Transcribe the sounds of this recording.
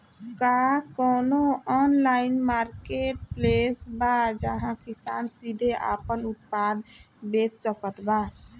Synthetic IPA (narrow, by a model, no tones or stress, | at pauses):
kakɔːnoɔnlaɪinmaɾkeʈ̚plesbad͡ʒəɦãkisansid̪ʱeʔa̰pənut̪̚pad̪ | bet̪səkət̪ba